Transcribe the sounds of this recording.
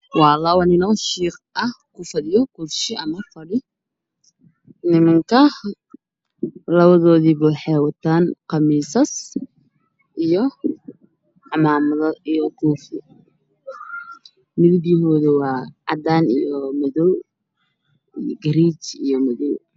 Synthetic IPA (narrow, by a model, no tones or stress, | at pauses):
wɑːlɐwɐnɪnɐʃiːqɐhkʰʊfɐðɪjɔkuːfʃɪɐmɐfɐɽɪ | nɪmɐŋkʰɐ | lɐβɐðɔːðiːbɛjħɛːwɐt̪ʰaːnqɑmiːsɐs | ʔijɔ | ħɑmaːmɐðɐʔijɔkʰuːfɪ | mɪðɪbɪɦɔːðɛwɑːʕɑd̪aːnijɔmɐðɔw | ɡɐɾiːt͡ʃijɔmɐðɔw